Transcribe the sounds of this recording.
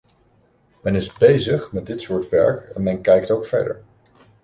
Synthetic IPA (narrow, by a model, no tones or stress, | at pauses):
mɛnɪzbejzəχmɛt̚dɪtsʊːɹtʋɛ̰ɹkɛnmɛnkɛjk̚towkfɛ̰ɹdə̰ɹ